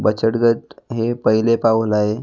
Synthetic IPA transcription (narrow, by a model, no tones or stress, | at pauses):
bət͡ɕəʈɡəʈɦepəɦilepaʋlae